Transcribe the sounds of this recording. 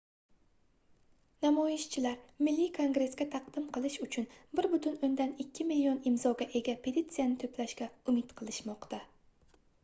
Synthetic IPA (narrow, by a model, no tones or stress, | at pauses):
namɒɪʃt͡ʃʰɪlaɾmɪlːikʰoŋɡɾe̞sɡʲat̪ʰɑqd̪ɪmqʰɨlˠɪʃʊt͡ʃʰʊnbɪɾbʊt̪ʰʊnond̪anɪkʲːɪmɪlijonɪmzɒɡʲaʔe̞ɡʲapʰe̞t̪it̪sɨjanɪt̪ʰoplaʃkʲaʊmɪt̪qʰɨlˠɪʃmɒqt̪ʰa